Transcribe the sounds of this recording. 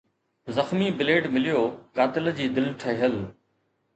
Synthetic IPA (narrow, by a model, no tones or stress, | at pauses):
zəxmiːbɪleːʈmɪlɪjoːkaːt̪ɪld͡ʑiːd̪ɪlʈʰəɦəl